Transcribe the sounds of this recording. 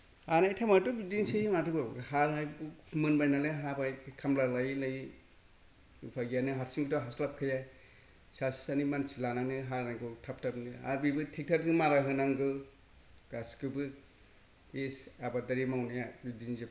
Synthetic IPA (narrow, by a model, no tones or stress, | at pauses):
hanajtʰamatubidinsejŋatɯbaɡɯhaɾajbmɯnbajnaleɦabajkʰamlalajlaj | upʰaɡijanɯɦaɾsiŋɡɯtɔɦaslap̚kʰɯja | sassanimansilananɯɦaɾaŋkɯtʰap̚tʰabnɯa̰bibɯtʰek̚tʰaɾzɯmaɾaɦɯnaŋɡɯ | ɡ̥askɯbɯ | esabadaɾimawnajabidinzi